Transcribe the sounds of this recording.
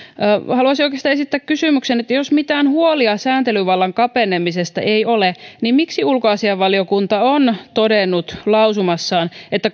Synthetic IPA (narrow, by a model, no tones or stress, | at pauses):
hɑluɑsiokest̪ɑːesit̪ːækkysymyksenet̪ːæjosmit̪æːnhuoliɑsæːnt̪elyʋɑlːɑŋkɑpenemisest̪ɑ̰ʔeiolenimmiksiulkoɑsiɑʋːɑliokunt̪ɑont̪odenːut̪lɑuwsumɑsːɑːnet̪ːæ